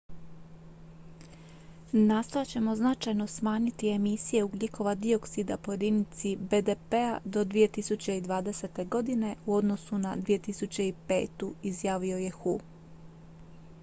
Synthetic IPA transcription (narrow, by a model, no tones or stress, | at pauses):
naːst̪ojat͡ɕe̞mo̞znat͡ʃajno̞smaːɲit̪ie̞misije̞uɡlʲikʰo̞ʋad̪io̞ksid̪a̰po̞je̞d̪init̪sibe̞d̪e̞pe̞ad̪o̞d̪ʋije̞t̪isut͡ɕe̞id̪ʋaːd̪e̞se̞t̪e̞ɡo̞d̪ine̞uo̞d̪no̞sunad̪ʋije̞t̪isut͡ɕe̞ipe̞ːt̪uizjaːʋio̞je̞xu